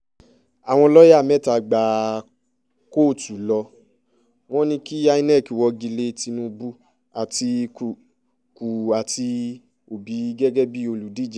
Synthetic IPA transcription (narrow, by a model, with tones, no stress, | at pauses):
a˨w̃ɔ̃˧lɔ˦ja˦˨mɛ˦˨ta˧˨ɡ͡ba˨ | ko˦˨tu˨lɔ˧ | w̃ɔ̃˦nĩ˧ki˦a˧i˦nɛ˦˨ki˨wɔ˧ɡi˧le˧ti˧nũ˧˦bu˦ | a˨ti˧ku˨ | ku˨a˨ti˧ | o˨bi˨˦ɡɛ˦ɡɛ˦bi˦o˧lu˨˦di˦˨d͡ʒɛ˨